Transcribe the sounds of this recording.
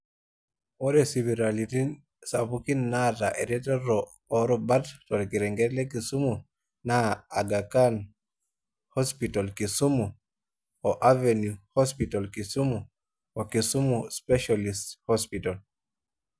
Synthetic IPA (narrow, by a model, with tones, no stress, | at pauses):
ɔ˦ɾɛsi˨βiɾaliti˦ | sa˨βuki˦nːaɾa˨ʔe˨ɾɛ˦tɛ˦ɾɔː | ɾɔba˦ttɔ˨ɾki˨ɾɛ˨ŋɡɛ˦tlɛ˦ki˨su˦mu | na˦a˨ɡa˨ka˦n | hɔspitalki˨su˦mu˨ | ɔʔavenjuhɔ˦spitalki˨su˦mu˨ | ɔ˨ki˨su˦muspɛʃalisthɔspital